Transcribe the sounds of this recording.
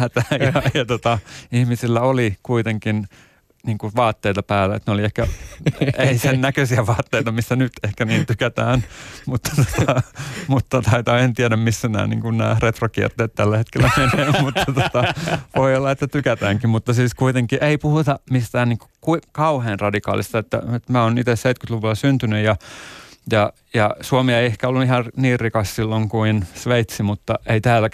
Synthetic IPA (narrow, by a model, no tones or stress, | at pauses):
hæt̪æjɑjɑt̪ot̪ɑihmisilːæolikuit̪eŋkin | niːŋkuʋɑːt̪ːeit̪ɑpæːlːæḛt̪neoliehkæ | eisennækøsiæʋɑːt̪ːeit̪ɑmisːænyt̪ehkæniːnt̪ykæt̪æːnmut̪ːɑ̥t̪o̥t̪ɑmut̪ːɑt̪ɑit̪ɑent̪iɛɾæmmisːænæ̰ːnḭːŋkunnæ̰ːret̪rokiɛ̰rt̪eːt̪t̪ælːæhet̪kelːæmeneːmmut̪ːɑt̪ot̪ɑʋoiolːɑet̪ːæt̪ykæt̪æːŋkimmut̪ːɑsiːskuit̪eŋkiʔeipuhut̪ɑmist̪æːnniːŋko̥kuikɑuheːnrɑdikɑ̰ːlist̪ɑet̪ːæ̰et̪mæːonit̪esseit̪kyt̪luʋulːˑɑsynt̪ynyjjɑ | jɑ | jɑsuomieiehkæolːuihɑrniːrrikɑssilːoŋkuinsʋeit̪simut̪ːɑʔeit̪æːlːæ